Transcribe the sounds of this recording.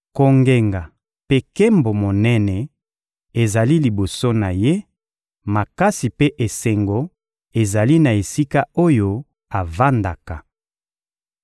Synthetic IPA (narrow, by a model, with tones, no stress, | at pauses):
ko˨ŋɡe˨ŋɡa˨ | pe˦ke˦mbo˨mo˨nɛ˦nɛ˨ | e˨za˨li˦li˨bo˨so˦na˨je˦ | ma˨ka˦si˨pe˦ʔe˨se˨ŋɡo˨ | e˨za˨li˦na˨e˨si˦ka˦o˦jo˦ | a˨va˦nda˨ka˨